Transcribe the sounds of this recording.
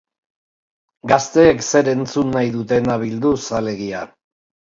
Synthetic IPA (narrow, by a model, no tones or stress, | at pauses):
ɡast̪e̞ːkse̞ɾe̞nt͡sunːajðut̪e̞naβild̪usale̞ɣia